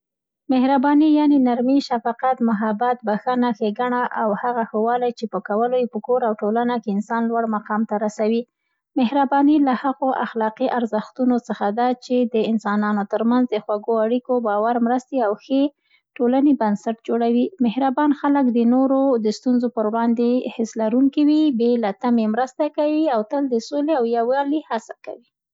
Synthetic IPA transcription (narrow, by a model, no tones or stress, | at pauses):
mɪhɾabɑnijɑnenaɾmiʃafɑqat̪mʊɦabat̪̚baxənaxeɡaɳaʔawhaɣaxəwɑlajt͡ʃepəkawəlojepəkoɾawʈolanakeɪnsɑnlwaɽmaqɑmt̪aɾasawi | mɪhɾabɑnilahaɣoʔaxlɑqiʔaɾzəxt̪unot͡səxad̪at͡ʃed̪əɪnsɑnɑnot̪əɾmanzd̪əxwaɡoaɽikobɑwaɾmɾəst̪eawxe | ʈolanebansaʈ̚d͡ʒoɽawimɪhɾabɑnxaləkd̪ənoɾod̪əst̪unzopəɾwɽɑnd̪ehɪslaɾuŋkiwibelat̪amemɾəst̪akawiawt̪əld̪əsoleawjawjɑlihasaka̰wi